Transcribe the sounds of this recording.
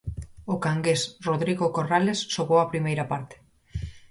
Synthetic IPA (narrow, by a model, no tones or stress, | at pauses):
ʊkaŋɡesroðɾiɣokoralesːoɣowapɾimejɾɐpaɾt̪e̥